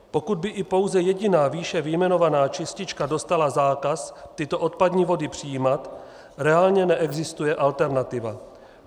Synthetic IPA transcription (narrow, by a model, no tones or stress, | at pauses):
po̞kud̪̚bɪʔɪpo̞wzɛjɛɟɪnaːviːʃɛvɪjmɛno̞vanaːt͡ʃɪscɪt͡ʃkado̞st̪alazaːkast̪ɪt̪o̞ʔo̞t̪̚padɲiːvo̞dɪpr̝̥ɪjiːmat̪ | ɾɛaːlɲɛnɛʔɛɡzɪst̪ujɛʔalt̪ɛɾnat̪ɪva̰